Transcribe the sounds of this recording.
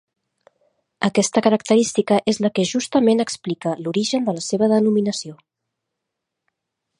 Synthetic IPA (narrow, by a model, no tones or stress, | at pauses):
əkɛst̪əkəɾək̚t̪əɾist̪ikəʔezləkɛʒust̪əmenəksplikəluɾiʒənd̪ələseβ̞əðənuminəsio